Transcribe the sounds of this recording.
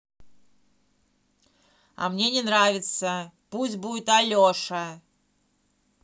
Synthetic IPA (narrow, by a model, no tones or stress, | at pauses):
ɐ̰mnʲenʲɪnɾavʲɪt̪səpusʲt̚ʲbudʲɪt̪ɐlʲoʂɐ